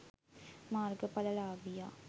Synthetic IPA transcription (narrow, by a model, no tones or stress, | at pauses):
maːrɡəpɐləlaːʋijaː